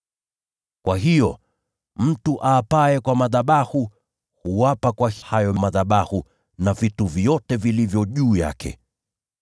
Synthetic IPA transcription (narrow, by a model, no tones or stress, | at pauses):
kwaɦijɔ | m̩tuʔaːpaɛkwamaðaɓahu | huwapakwahajɔmaðaɓahu | navituvjɔtɛvilivjɔʄuːja̰kɛ̰